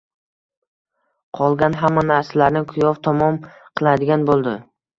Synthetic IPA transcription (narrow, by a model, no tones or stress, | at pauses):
qʰɒlˠɡʲanɦamːanaɾsalaɾnɪkʰʊjɒvt̪ʰɒmɒm | qʰɨlˠad̪ɪɡʲanbolˠd̪ɪ